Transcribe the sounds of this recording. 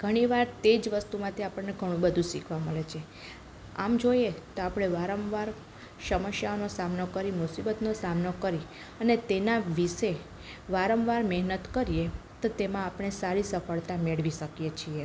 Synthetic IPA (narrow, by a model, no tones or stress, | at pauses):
ɡ̥ʱəɽ̃iʋaɾt̪ed͡ʒʋəst̪umãt̪ʰiapəɳneɡʱəɽ̃ũbəd̪ʱũsikʰʋaməɭet͡ʃʰe | a̰md͡ʒojet̪oapɽ̃eʋaɾəmʋaɾ | ʃəməʃjaonosamnokəɾimʊsibət̪nosamnokəɾi | ənet̪enaʋiʃe | ʋaɾəmʋaɾmɛɦnət̪kəɾijet̪ot̪emãapɽ̃esaɾisəfəɭt̪ameɭʋiʃəkijet͡ʃʰie